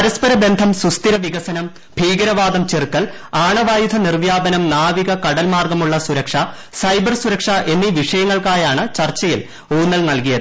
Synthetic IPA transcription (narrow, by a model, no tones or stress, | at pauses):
ɐɾɐspɐɾɐbe̞nd̪ʱɐmsust̪iɾɐʋiɣɐsɐnɐm | b̥ʱiːɡɐɾɐʋaːd̪ɐmt͡ɕerkːɐl | aːɳɐʋaːjud̪ʰʱɐnirʋjaːbɐnɐmnaːʋiɣɐkɐɽɐlmaːrɡɐmuɭːɐsuɾɐkʂɐ | sɐjbɐrsuɾɐkʂɐʔe̞nːiʋiʂɐjɐŋːɐɭkaːjaːɳɨt͡ɕɐrt͡ɕːɐjil | uːnːɐlnɐlkijɐð